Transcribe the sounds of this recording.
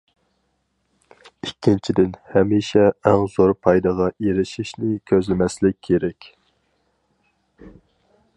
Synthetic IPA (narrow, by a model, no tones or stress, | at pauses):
ikʲʰːint͡ʃʰid̪ɪnhɛmiʃɛɛŋzoɾpʰɑjd̪ɑʁɑeɾɪʃiʃnɪkʲʰøzlɪmɛslɪk̚ʲʰːeɾɛkʲ